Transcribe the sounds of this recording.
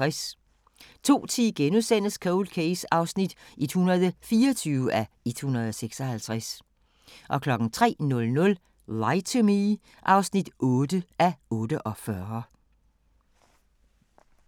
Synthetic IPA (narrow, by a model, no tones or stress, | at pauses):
s | t͡sʰo̝̰ːt͡sʰiɡ̥enuðˠsen̰əskʰoʊlkʰesɑ̈ʊsnid̥ʔed̥hunɐð̞ˠfiːɒt͡sʰyːʊəʔæ | ed̥hunɐðˠɒseɡ̥sɒ̽hælt͡sʰʁas | ʔɒ̽kʰlɒ̽ɡ̥n̩t͡sʰʁɛ̰ːnɔ̽lnɔ̽l | lɑ̈ɪt͡sʰomi | ʔɑ̈ʊsnid̥ɔ̽ːd̥əæɔ̽ːd̥əʔɒ̽fɶɐ